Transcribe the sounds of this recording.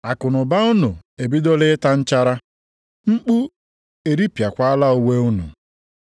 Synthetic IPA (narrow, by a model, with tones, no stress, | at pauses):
a˨kʊ˨nʊ˨ba˦ʊ˦nʊ̰˨e˨bi˦do˦lɪ˦ta˦n̩˦t͡ʃa˦ɾa˦ | ŋ͡m̩˦k͡pu˦ | e˨ɾi˦pja˨kʷa˦a˦la˦ʊ˨we˦u˦nṵ˨